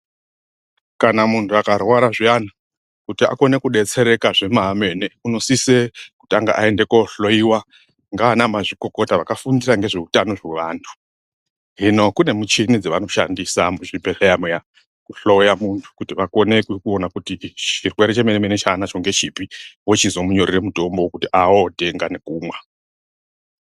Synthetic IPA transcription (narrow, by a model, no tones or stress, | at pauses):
kanamuntʰuakarwaɾaʐiana | kutia̰ko̞ne̞kuɗe̞t͡se̞ɾe̞kaʐe̞mame̞neuno̞siseku̥taŋɡa̰ʔae̞nde̞koɬo̞iwa | ŋɡaːnamaʐiko̞ko̞taʋakafundiɾaŋɡe̞ʐeutano̞ʐeʋaːntʰu̥ | ɦino̞kune̞mut͡ʃinid͡zeʋano̞ʃa̰ndisamuʐibeɬejameja | kuɬo̞jamuntʰu̥kutiʋako̞ne̞kukuonakutit͡ʃirweɾet͡ʃemenemenet͡ʃaːnat͡ʃo̞ŋɡe̞t͡ʃipiwot͡ʃizomuɲo̞riremuto̞mbokutiʔaote̞ŋɡane̞kuːmwa